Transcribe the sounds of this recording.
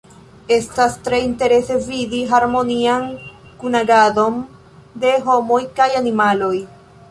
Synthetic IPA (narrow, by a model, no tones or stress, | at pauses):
e̞stast̪ɾeinte̞ɾe̞se̞vidiɦaɾmo̞niaŋ | kunaɡado̞n | d̪e̞ɦo̞mojkajanimalo̞j